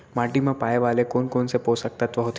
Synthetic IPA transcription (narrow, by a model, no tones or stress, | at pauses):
maʈiməpajʋalekonkoɳseposək̚t̪at̪ʋəɦut̪